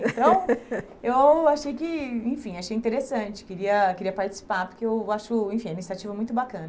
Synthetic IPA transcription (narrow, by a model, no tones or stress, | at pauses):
ẽt̪ɐ̃w̃ | ewaʃejkɪẽfĩaʃejĩt̪eɾesɐ̃t͡ʃɪ̥kɪɾiɐkɪɾiɐpaɾt͡ʃɪ̥si̥paɾpoɾkeewaʃʊẽfĩɛmist̪at͡ʃivɐmũj̃t̪ʊbakɐ̃nɐ